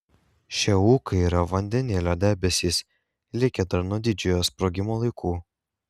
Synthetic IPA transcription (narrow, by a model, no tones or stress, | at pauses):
ʃʲɛuːkɐɪiːɾɐʋɐnʲd̪ʲɛnʲeːlʲoːd̪ʲæːbʲɛsʲiːs | lʲɪkʲɛd̪ɐɾnuɔd̪ʲɪd͡ʒʲʊjoːspɾoːɡʲɪmoːlˠɐɪkʰuː